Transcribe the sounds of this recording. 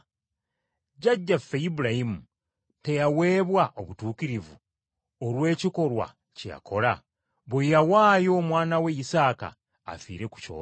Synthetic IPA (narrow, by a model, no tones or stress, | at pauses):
ɟaɟːafːejibuɾaimu | te̞jawe̞ːβwaʔo̞βutuːkiɾivu | olwe̞ːciko̞lwa̰ | ceja̰kʰo̞la | βojawaːjo̞mwaːnawe̞jisaːka̰ː | fḭːɾe̞ku̥co̰ː